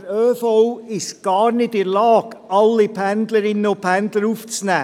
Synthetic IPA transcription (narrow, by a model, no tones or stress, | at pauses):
ɾøːfowɪʃɡ̥ɑːɾnɪtɪɾlɑːɡ̥ɑlːɪpʰændləɾɪnːəopʰændləɾuːft͡snæː